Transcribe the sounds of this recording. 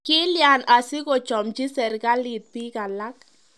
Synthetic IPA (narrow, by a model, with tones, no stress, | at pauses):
kɪ˦lja˨na˨sɪ˦kɔ˨t͡ʃɔ˨mt͡ʃi˦sɛ˨ɾɡa˦li˨t̪̚pi˦ka˨la˦k